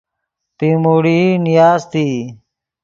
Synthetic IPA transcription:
pimoːɽiːnijaːzt̪iː

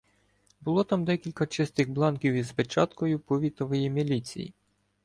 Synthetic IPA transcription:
bʊlˠɔt̪ɑmd̪ɛkʲilʲkɐt͡ʃɪst̪ɪɣblˠɑnkʲiwizpet͡ʃɑt̪kɔjʊpɔʋʲit̪ɔʋɔjimʲilʲit͡sʲḭjḭ

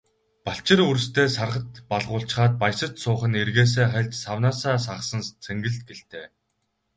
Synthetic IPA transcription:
paɬt͡ɕɪ̆rur̆st̪ʰeːsarʁə̆t̪paɮʁʊːɬt͡ɕ̆χaːt̪̚pajsə̆t͡ɕsʊːχə̆nerɣeːs̬eːχæɮʲt͡ɕsawnaːsaːs̬aʁsə̆nt͡sʰæŋɡɘ̆ɮt̪̚ɡeɬt̪eː

